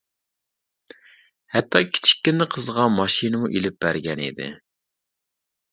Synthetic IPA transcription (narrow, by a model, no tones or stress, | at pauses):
hɛt̪ʰːɑkʲʰi̥t͡ʃʰi̥kʲːynɪqʰəzʁɑmɑʃinɨmuʔelɪp̚b̥æɾɡʲɛnḭd̪ɪ̰